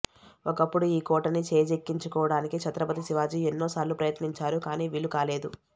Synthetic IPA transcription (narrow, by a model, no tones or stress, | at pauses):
okɐpːuɽuiːkɔːʈɐnit͡ʃeːd͡ʒekːiɲt͡ʃukɔːʋɐɽaːnikit͡ʃʰɐt̪ɾɐpɐt̪isiʋaːd͡ʒienːoːsaːɾlupɾɐjɐt̪niɲt͡ʃaːɾukaːniːʋilukaːle̞ːd̪u